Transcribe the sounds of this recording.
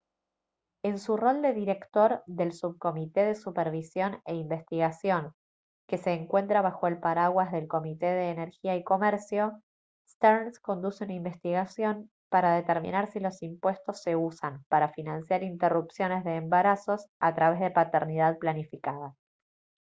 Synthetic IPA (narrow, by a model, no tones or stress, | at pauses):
e̞nsuro̞ld̪e̞ðiɾe̞kt̪o̞ɾðe̞lsuβ̚ko̞mit̪e̞ðe̞supeɾβisjo̞ne̞imbe̞st̪iɣasjo̞ŋ | ke̞se̞ːŋkwe̞nt̪ɾaβ̞axo̞e̞lpaɾaɣwazðe̞lko̞mit̪eðe̞ːneɾxiaiko̞mɛɾsjo̞ | st̪eɾnsko̞nd̪useunaimbe̞st̪iɣasjo̞n | paɾaðe̞t̪eɾmḭnaɾsilo̞simpwe̞st̪o̞sːe̞usampaɾafinãnsjaɾint̪erupsjo̞ne̞zðeːmbaɾaso̞sat̪ɾaβ̞e̞zð̞e̞pat̪eɾnið̞aðplanifikaða